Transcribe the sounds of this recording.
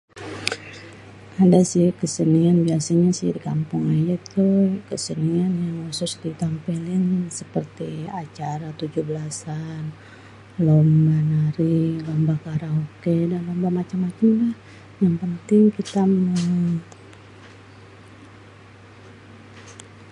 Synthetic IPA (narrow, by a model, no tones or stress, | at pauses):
adasɪhkəsənianbiasaɲasɪ̰hdikampʊŋajat̪ukəsənianjaŋhasʊsdit̪ampilɪnsəpərt̪iat͡ʃaɾat̪ud͡ʒuhbəlasan | lomanaɾilambakaɾaɦokedanlambamat͡ʃamːat͡ʃamlah | jaŋpənt̪ɪŋkit̪amu